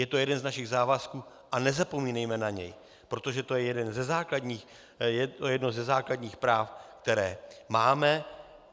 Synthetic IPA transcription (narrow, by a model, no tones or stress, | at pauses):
jɛt̪o̞jɛdɛnznaʃɪɣzaːvaskuː | ʔanɛzapo̞miːnɛjmɛnaɲɛ̰j | pɾo̞t̪o̞ʒɛt̪o̞jɛjɛdɛnzɛzaːkladɲiːx | jɛojɛdnozɛzaːkladɲiːxpɾaːfkt̪ɛɾɛːmaːmɛ